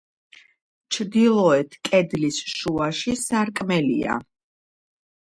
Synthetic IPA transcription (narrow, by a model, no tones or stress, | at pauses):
t͡ʃʰɾd̪ilˠɔɛt̪ʰkʼɛd̪lisʃuaʃisaɾkʼmɛlḭa̰